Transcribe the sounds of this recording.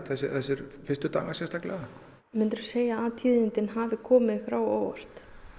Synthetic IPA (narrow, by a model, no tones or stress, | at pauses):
θɛs̬ɪθɛsːɛɾfɪnst̪ʏt̪a̰wŋːasjɛst̪aklɛ̰ɣa | mɪnt̪ɾʏ̥seːjaat̪ʰiːðɪnt̪ɪnɦaːvɪkʰɔːmɪðfɾawoːwɔ̰r̥t̪